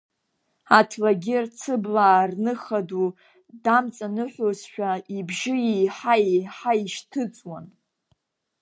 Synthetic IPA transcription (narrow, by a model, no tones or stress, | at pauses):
atʰlaɡʲɪrt͡sʰɨblaːrnɨχadu | damt͡sʼanɨħʷozʃᶣaibʒɪjijħajiħaiʃtʰɨt͡sʼwan